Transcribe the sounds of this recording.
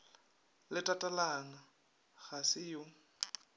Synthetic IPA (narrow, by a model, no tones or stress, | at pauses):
lɪtʼatʼalaŋa | ɣasɪjʊ